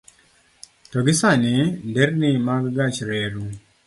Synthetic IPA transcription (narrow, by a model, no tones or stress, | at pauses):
tɔɡɪsanɪndɛɾnimaɡɡat͡ʃɾɛɾu